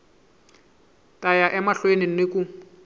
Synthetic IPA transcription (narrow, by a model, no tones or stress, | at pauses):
tʼajaʔɛmaɬwenɪnekʼu